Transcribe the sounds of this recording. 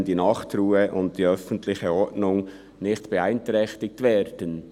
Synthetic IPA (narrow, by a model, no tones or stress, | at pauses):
ndinɑχt̪ruːəʔʊnt̚d̥iœfəntlɪçəɔɾtnʊŋ | nɪχtb̥eaɪntɾɛxtɪk̚tvɛːɾd̥ən